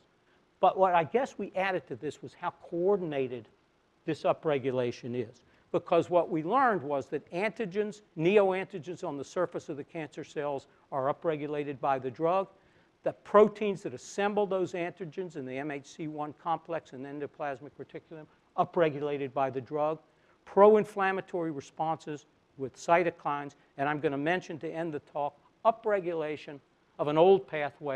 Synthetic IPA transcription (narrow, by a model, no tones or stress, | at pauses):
b̥ʌʔwʔʌɾaɪɡɛswiʔæɾɨd̚tʰɨðɪswʌz̥haʊkʰoɔɹdⁿn̩eɪɾɨd̪̚ | ðɪsʌpɹɛɡjɨleɪʃɨ̃nɪz̥ | b̥əkʰʌzwʌʔwilɜ̃˞nd̚wʌzðɨɾæ̃ntɨd͡ʒɨ̃nznioʊæ̃ntɨd͡ʒɨ̃nzn̩ðəsɜ˞fɨsʌvðɨkʰæ̃nsə˞sɛɪlˠz | ə˞ʌpɹɛɡjɨleɪɾɨd̚baɪðɨdɹʌɡ̚ | ðɨpʰɹ̥oʊtʰĩnzðɨɾɨsɛ̃mbl̩ˠðoʊzæ̃ntɹ̥ɨd͡ʒɨ̃nzɨ̃nðiɛ̃meɪt͡ʃsiwʌ̃nkʰɑ̃mpʰl̥ɛksɨ̃nɛ̃ndɨpʰl̥æzmɨk̚pʰə˞tʰɪkjl̩ˠə̃m | ʌpɹɛɡjɨleɪɾɨd̚baɪðɨdɹʌɡ̚ | pʰɹ̥oʊɨ̃ɱflæmɨtʰɔɹiɹɨspɑ̃nsɨz | wɪð̥saɪɾɨkʰl̥ãɪ̃nz | ɨ̃ɾ̃ãɪ̃mɡʌɾ̃nɨmɛ̃nʃɨ̃ntɨɛ̃nðɨtʰɔk | ʌpɹɛɡjɨleɪʃɨ̃n | ʌvə̃noʊlˠd̚pʰæθweɪ